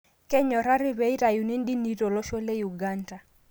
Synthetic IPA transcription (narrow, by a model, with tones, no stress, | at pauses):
kɛ˦ɲɔ˨ɾa˦ɾɪ˦βɛ˦i˦ɾa˨ju˨ni˦n˦ɗi˦ni˦ɾo˨lɔ˦ʃo˦le˦ju˨ɡa˦nda˨